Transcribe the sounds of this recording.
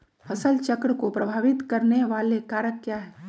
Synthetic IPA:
fʰɐsəlt͡ʃəkɾəkopɾəbʱaːʋɪt̪kɐɾneʋaːlekaːɾəkːjaːɦɛː

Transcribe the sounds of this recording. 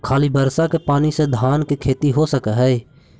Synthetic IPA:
kʰaːliːbəɾsakepaːnised̪ʱaːnkekʰeːt̪iɦoːsəkɛɦɛe

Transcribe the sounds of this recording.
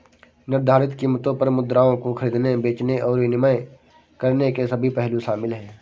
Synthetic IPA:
nɪɾd̪ʱaːɾɪt̪kiːmət̪õpɐɾmʊd̪ɾaːõkoxʰɐɾiːd̪nebeːt͡ʃneʔɔːɾʋɪnɪməj | kɐɾnekesɐbʱipɛɦluʃaːmɪlɦɛ̃ː

